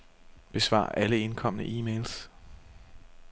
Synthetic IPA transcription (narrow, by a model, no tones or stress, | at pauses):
b̥e̝sʋɑ̰̈ːʔæləe̝nkʰɒ̽m̰ənəʔiːmeɪls